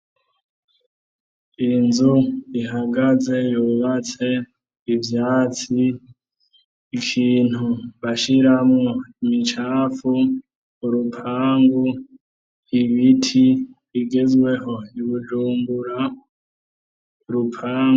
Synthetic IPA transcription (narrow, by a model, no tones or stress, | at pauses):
inzuiɦaɡaze̞juβat͡se̞ | ivjaːt͡si | kʰiːn̥huβaʃiɾamŋoimit͡ʃaːfu | uɾupʰaːŋɡu | iβitʰiβiɡezwe̞ɦo̞iβud͡ʒuːmbuɾa | uɾupʰaː